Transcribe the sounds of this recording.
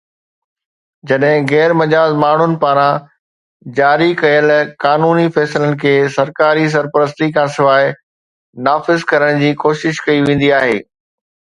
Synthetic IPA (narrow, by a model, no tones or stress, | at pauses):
d͡ʑɐɗɦɪ̃ɣɛːɾmɐd͡ʑaːzmaːɳ̤ʊnɪ̆paːɾã | d͡ʑaːɾikɐjəlkaːnuːnifɛːslənɪ̆kʰeːsɐɾkaːɾis̬ɐɾpəɾəs̬t̪ikʰãːsɪʋaːɪ | naːfɪzkɐɾəɽ̃d͡ʑiːkoːʃɪʃkɐiʋẽːn̆d̪iaːɦeː